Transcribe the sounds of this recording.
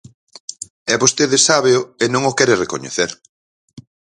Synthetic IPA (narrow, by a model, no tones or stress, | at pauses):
ɛβost̪eðɪsaβeʊenõŋokɛɾerekoɲḛθeɾ